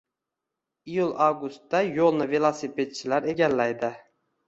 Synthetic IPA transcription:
ijʊlˠawɡʊst̪ːajolˠnɪvelˠosipʰet̪̚t͡ʃʰɪlaɾe̞ɡʲalːajd̪ɪ

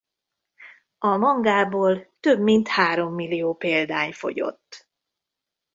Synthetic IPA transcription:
ɒmɒŋɡaːboːlt̪øbmint̪haːɾo̞mːilːijoːpeːld̪aːɲfo̞̰ɟo̞̰t̪ː

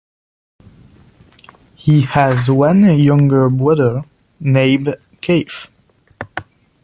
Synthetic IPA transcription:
hiɨzwʌ̃njʌ̃ŋɡə˞bɹʌðə˞ | nẽɪm | kʰeɪf

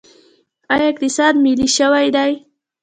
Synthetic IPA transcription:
ajak̚t̪ɪsaːd̪mɪliʃawajd̪aj

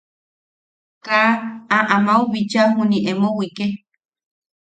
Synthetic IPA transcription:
kaaʔamauβit͡ʃaɦuniʔemowike

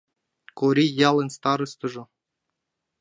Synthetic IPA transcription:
koɾʲijɑlˠɤ̆nʲst̪ɑɾɤ̆st̪ɤ̆ʐɤ̆

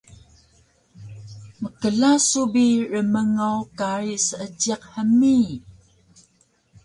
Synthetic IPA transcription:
məkəɮasubirəməŋawkaɾisəəd͡ʒiqhəmi

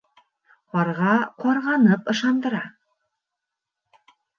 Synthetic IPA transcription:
qɑɾʁɑqɑɾʁɑnɤpɤ̆ʃɑnd̪ɤ̆ɾɑ

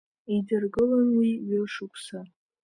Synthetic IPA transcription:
idɨrɡɨlanwiɥɪʂukʷʰsa

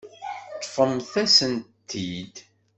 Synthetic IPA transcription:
t̪ˤːfəmθæsənt̪ʰːid̪

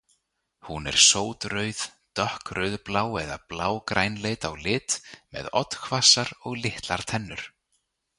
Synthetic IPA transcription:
hunɛ̰ɾ̥soːwt̪ɾœɥðt̪œhkɾœɥðplaːwɛðaplaːwkɾʔaːjnleːjt̪awlɪːt̪mɛ̰ðɔt̪kʰvasaɾɔɣlɪht̪laɾ̥t̪ʰɛnːʏɾ̥

